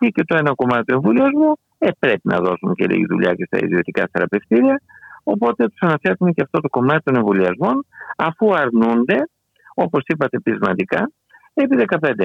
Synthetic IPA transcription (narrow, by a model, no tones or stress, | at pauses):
ice̞t̪oenɐko̞mɐt̪it̪ueɱvoliɐzmu | epɾe̞pinɐ̰ðo̞suncḛlḭʝḭðṵʎɐ̰ce̞st̪ɐ̰ḭðio̞t̪ikɐ̰θe̞ɾɐ̰pe̞ft̪iɾiɐo̞po̞t̪et̪u̥sɐnɐfe̞ɾt̪uneceɐft̪o̞t̪o̞ko̞mɐt̪i̥t̪o̞ne̞ɱvoliɐzmo̞nɐfuɐɾnund̪e̞ | o̞po̞sipɐt̪e̞pɾizmɐnd̪ikɐ | epiðe̞kɐpe̞nd̪e